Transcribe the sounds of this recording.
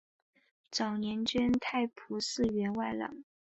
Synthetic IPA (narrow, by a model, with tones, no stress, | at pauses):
t͡sɑ˨˩ʊnjɛ˧˥nt͡ɕɥɛ˥nt̪ʰa˥˩ɪpʰu˧˥sɹ̩˥˩˧ɥɛ˧˥nwa˥˩ɪlɑ̰˨˩˦ŋ